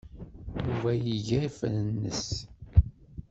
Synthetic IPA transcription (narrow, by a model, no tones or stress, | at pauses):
juvæjiʝæifənənːə̰s